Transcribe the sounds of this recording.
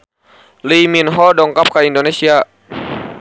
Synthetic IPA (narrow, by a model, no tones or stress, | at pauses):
liminɦɔdɔŋkap̚kaindonesia